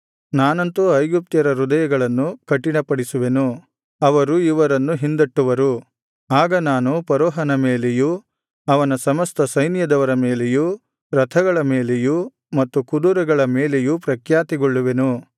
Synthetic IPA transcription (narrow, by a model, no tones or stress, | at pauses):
naːnɐnt̪uɐjɡup̚t̪jɐɾɐɾud̪ɐjɐɡɐɭɐnːukɐʈːiɳɐpɐɽisuʋe̞nu | ɐʋɐɾuiʋɐɾɐnːuɦind̪ɐʈːuʋɐɾu | aːɡɐnaːnupɐɾɔːɦɐnɐmeːleju | ɐʋɐnɐsɐmɐst̪ʰɐsɐjnjɐd̪ɐʋɐɾɐme̞ːleju | ɾɐt̪ʰɐɡɐɭɐme̞ːleju | mɐt̪ːukud̪uɾɐɡɐɭɐmeːlejupɾɐkʰjaːt̪iɡɔɭːuʋe̞nu